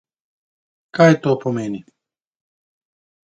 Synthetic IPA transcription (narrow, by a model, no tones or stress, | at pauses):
kaːjet̪oːpomeːni